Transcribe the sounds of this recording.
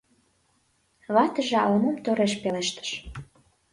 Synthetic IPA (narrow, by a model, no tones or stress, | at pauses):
βɑt̪ə̆ʒeɑlomomt̪oɾeʃpeleʃt̪ə̥ʃ